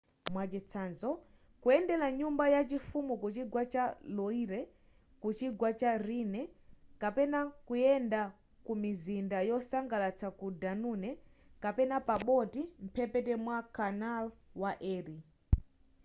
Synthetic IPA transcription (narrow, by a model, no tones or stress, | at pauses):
mwat͡ʃɛt͡sʰanzɔ | kuɛndɛlaɲumbajat͡ʃifumukut͡ʃiɡwat͡ʃalɔiɾɛ | kut͡ʃiɡwat͡ʃaɾinɛkapɛnakujɛnda | kumizindajɔsaŋɡalat͡sʰakudanunɛkapɛnapaɓɔtim̩pʰɛpɛtɛmwakanalwaʔɛːɾi